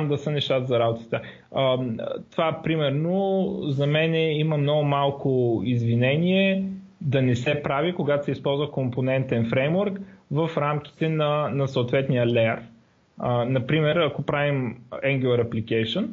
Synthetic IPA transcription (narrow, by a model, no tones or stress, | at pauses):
md̪ɐsənɛʃt̪at̪əzɐɾabot̪ə̥t̪ə | t̪ovapɾimɛɾnozɐmɛnɛimɐmnɔɡʊmalˠkʊizvinɛniɛ | d̪ɐnɛsɛpɾavikoɡat̪osɛispɔlˠzvəkomponɛnt̪ɛnfɾɛjmoɾkvɐfɾamk̟ʲi̥t̪ɛnɐnɐsoot̪vɛt̪nijəlɛɾ | ənɐpɾimɛɾɐkopɾavimɛŋɡʲulˠɐɾɐplikɛjʃon